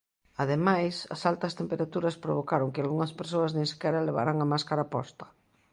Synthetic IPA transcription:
aðemajsɐ̰salt̪ɐst̪empeɾat̪uɾɐspɾoβ̞okaɾoŋkɪalɣuŋɐspeɾsoɐznẽŋsi̥kɛɾaleβ̞a̰ɾaŋamaskaɾapɔ̰st̪ɐ̥

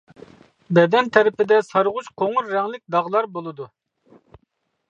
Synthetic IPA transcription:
bɛd̪ɛnt̪ʰɛɾɪpɪd̪ɛsɑɾʁʊt͡ʃqʰoŋʊɾːɛŋlɪk̚ʲd̪ɑʁlˠɑɾbolˠɨd̪u

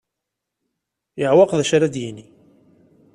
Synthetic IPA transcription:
jəʕwɑqðæʃɾad̪jini

